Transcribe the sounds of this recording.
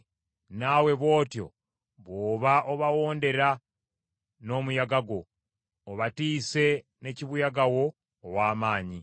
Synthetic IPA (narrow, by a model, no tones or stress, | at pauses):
nawe̞βo̞ːtjo̞̰ | βoːβaʔoβawo̞ːnde̞ɾa | no̞ːmujaɡaɡo̞ː | βatiːse̞ne̞ciβujaɡawo̞ː | waːmaːɲi